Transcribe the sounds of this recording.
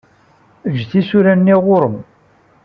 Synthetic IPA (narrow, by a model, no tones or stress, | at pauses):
əd͡ʒθisuɾænːiʁʊɾəm